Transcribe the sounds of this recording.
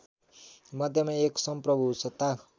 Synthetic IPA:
mʌd̪ʱjʌmaeksʌmprʌbʱusʌt̪ːa

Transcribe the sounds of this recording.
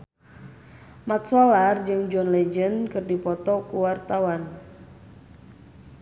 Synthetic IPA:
mat̪̚sɔlard͡ʒɨŋd͡ʒɔnled͡ʒənkɨrdipɔt̪ɔkuwart̪awan

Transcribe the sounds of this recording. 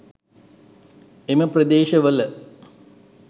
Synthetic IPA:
eməprɐd̪eːʃɐʋəl

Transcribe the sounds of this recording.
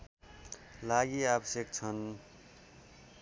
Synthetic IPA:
laɡiabʌsjʌk̚t͡sʰʌn

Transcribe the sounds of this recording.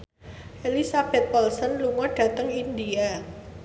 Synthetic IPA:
ʔelisab̥ɛ̤t̪̚wɔlsənluŋɔɖ̥ä̤t̪əŋindia

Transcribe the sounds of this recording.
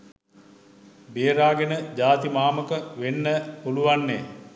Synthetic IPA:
beːɾaːɡenəd͡ʑaːt̪imaːməkəʋenːəpuluʋanːeː

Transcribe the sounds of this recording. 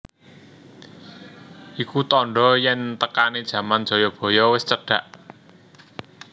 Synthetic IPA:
ʔikut̪ɔɳɖɔjɛnt̪əkaned̥ʒ̥ä̤mand̥ʒ̥ɔ̤jɔb̥ɔ̤jɔwɪst͡ʃəɖ̥ä̤ʔ

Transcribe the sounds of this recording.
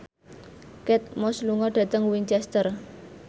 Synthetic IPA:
kɛt̪̚mɔsluŋɔɖ̥ä̤t̪əŋwiɲt͡ʃɛst̪ər

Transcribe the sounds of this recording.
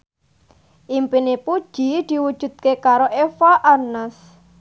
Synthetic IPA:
ʔimpinipud̥ʒ̥i̤d̪̥i̤wud̥ʒ̥ṳd̪̥̚kekaɾoʔefaʔanəs

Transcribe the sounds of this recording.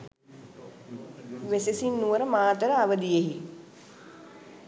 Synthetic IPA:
ʋesesinːuʋəɾəmaːt̪əɾəaʋəd̪ijeɦi

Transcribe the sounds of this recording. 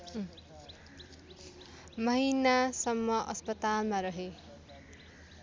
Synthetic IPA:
mʌɦinasʌmːʌʔʌspʌt̪almaɾʌɦe

